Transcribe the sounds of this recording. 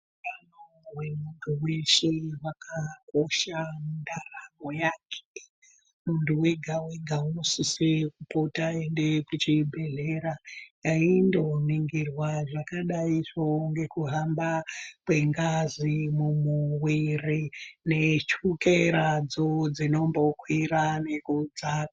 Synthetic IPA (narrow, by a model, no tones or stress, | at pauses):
ukanowe̞muntʰuweʃewakʰako̞ʃamundaraɡojaːkʰe̥ | muntuweɡʱaweɡʱaunosisekupotae̞nde̞kut͡ʃibʱe̞ɮeɾajaindoniŋɡirwaʐakaɗaiʐoŋɡe̞kuɦambakwe̞ŋɡazimumuwirine̞t͡ʃukeɾad͡zo̞d͡zino̞mbo̞kʰwiɾane̞kud͡zaka